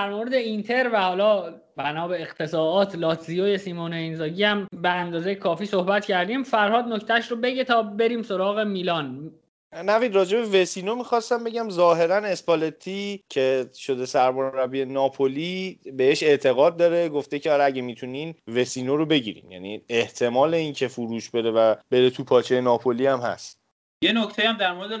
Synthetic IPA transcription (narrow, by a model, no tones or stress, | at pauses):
d̪æɾmoɾed̪eint̪ʰe̞ɾvæhɒːlɒː | bænɒːbeːɣt̪ʰe̞sɒːɒːt̪ʰlɒːt̪ʰzijoːjesiːmonɑinzɒːɟiæmbeænd̪ɒːzejekʰɒːfiːso̞hbæt̪cʰæɾd̪iːmfæɾhɒːd̪̚noct̪ʰæʃɾobe̞ɟet̪ʰɒːbe̞ɾiːmso̞ɾɒːɣe̞miːlɒːn | nævid̪ɾɒːd͡ʒe̞be̞vesiːno̞mixɒːst̪æmbe̞ɟæmzɒːɦe̞ɾæne̞spɒlet̪ʰicʰe̞ʃo̞d̪e̞sæɾmoɾɾævie̞nɒːpʰolibeeʃe̞ʔt̪ʰe̞ɣɒːd̪̚ːɒːɾe̞ɡoft̪e̞cʰeɒɾæɟemiːt̪ʰuniːnve̞siːnoɾobe̞ɟiɾḭːmjæ̰nie̞ht̪ʰe̞mɒːle̞incʰe̞fuɾuːʃbe̞ɾe̞væb̥e̞ɾe̞t̪ʰupʰɒːt͡ʃʰejenɒːpʰoliæmhæ̰st̪ | jenoct̪ejæmd̪æɾmoɾed̪e